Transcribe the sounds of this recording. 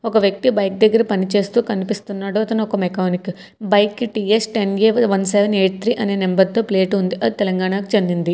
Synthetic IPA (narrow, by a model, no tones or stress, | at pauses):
ɔkɐʋjɐk̚t̪ibɐjk̚d̪ɐɡːɐɾɐpɐnit͡ʃe̞ːst̪uːkɐnipist̪unːaːɽuɐt̪ɐnɐɔkɐmekaːnik | bɐjkːʈiːesʈenjeːʋɐnseʋɐneːʈ̚t̪ʰɾiːʔɐneːnembɐɾt̪oːpleːʈund̪iʔɐd̪it̪ɛlɐŋɡaːɳakut͡ʃɐnd̪ind̪i